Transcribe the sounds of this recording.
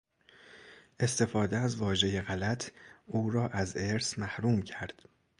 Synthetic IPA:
ʔe̞st̪e̞fɒːd̪eæzvɒːʒe̞je̞ɣælæt̪ʰuːɾɒːʔæzeɾsmæhɾuːmcʰæɾd̪̥

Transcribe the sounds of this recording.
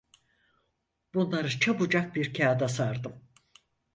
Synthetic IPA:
b̥unlˠaɾɯt͡ʃʰabud͡ʒak̚biɾcʰaːd̪asaɾd̪ɯm

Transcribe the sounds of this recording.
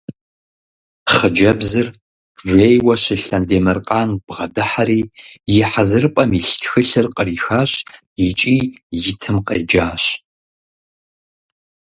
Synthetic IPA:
χəd͡ʒɐbzɨr | ʒʷeːjwɐɕɪɬɐndeːmɨrqʼɑːnb̥ʁɐdɨħaɾiːjɪħazɨrpʼɐmiɬtʰxɨɬɨrqʼəriːxaːɕ | jɪt͡ʃʼiːjɪtʰɨmqḛːd͡ʒaːɕ

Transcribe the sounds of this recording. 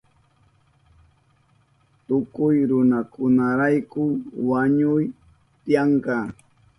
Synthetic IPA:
t̪ʊkʊjɾʊnakʊnaɾajkʊwaɲʊj | t̪ɪjɑɴkɑː

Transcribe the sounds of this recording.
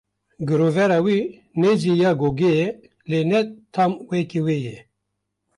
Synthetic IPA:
ɡɨɾoːvɛɾaːwiː | nɛd͡ʒijaːɡoːɡejɛ | leːnɛt̪ʰaːmwɛkiweːjɛ

